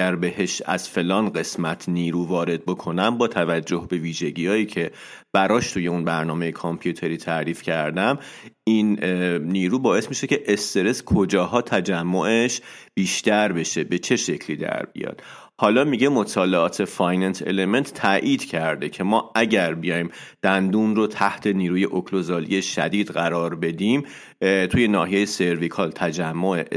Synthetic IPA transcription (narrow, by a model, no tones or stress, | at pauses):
æɾbe̞he̞ʃæ̰z̥fe̞lɒːnɢe̞smæt̪ʰniːɾuːvɒːɾe̞d̪̚bo̞kʰo̞næmbɒːt̪ʰævæd͡ʒːohbe̞viːʒe̞ɟiːɒːjiːcʰe̞ | b̥æɾɒːʃt̪ʰuje̞unbæɾnɒːme̞jekʰompʰjut̪ʰe̞ɾiːt̪ʰæʔɾiːfcʰæɾd̪æminːiːɾuːbɒːe̞smiʃe̞cʰe̞ʔest̪e̞ɾe̞skʰo̞d͡ʒɒːɦɒːt̪ʰæd͡ʒæmːoʔeʃb̥iːʃt̪æɾbe̞ʃe̞be̞t͡ʃʰe̞ʃe̞cʰliːd̪æ̰ɾbḭjɒ̰d̪̥ | hɒːlɒːmiɟemo̞t̪ʰɒːleɒːt̪ʰe̞fɒjnænse̞̰le̞me̞nt̪ʰt̪ʰːæʔiːd̪cʰæɾd̪e̞cʰe̞mɒːæɟæɾbeijɒːjim | d̪̥ænd̪uːnrot̪ʰæht̪ʰe̞niːɾuːje̞ʔokʰlo̞zɒːlḭje̞ʃæ̰d̪iːd̪ɢæɾɒːɾbe̞d̪im | t̪ʰuːje̞nɒːɦije̞jese̞ɾvikʰɒlt̪ʰæd͡ʒæmːoʔe